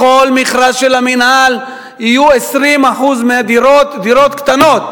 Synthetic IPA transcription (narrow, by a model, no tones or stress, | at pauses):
olmiχʁaʃelaminal | ijuesʁimaħuzmead̪iotd̪iɾo̞t̪kt̪ano̞t̪